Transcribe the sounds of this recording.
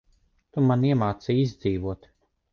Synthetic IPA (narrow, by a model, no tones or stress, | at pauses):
t̪umaniɛmaːt̪sijizʲd̪ziːvuɔt̪